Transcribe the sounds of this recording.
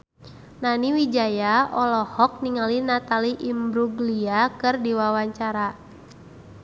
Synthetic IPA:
naniwid͡ʒajaɔlɔhɔk̚niŋalinat̪aliʔimbɾuɡliakɨrdiwawaɲt͡ʃaɾa

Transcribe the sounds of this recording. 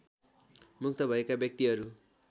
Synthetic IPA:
muk̚t̪ʰʌbʱʌekabjʌk̚t̪iɦʌɾu

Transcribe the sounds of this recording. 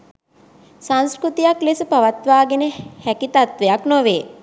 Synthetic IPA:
saŋskɾut̪ijaklesəpaʋat̪ʋaːɡenəhækit̪at̪ʋejaknoʋeː

